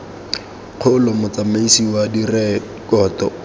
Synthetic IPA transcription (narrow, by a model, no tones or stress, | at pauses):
q͡χʰʊlʊmʊt͡samaisiwadirɛ | kɔːtɔ̰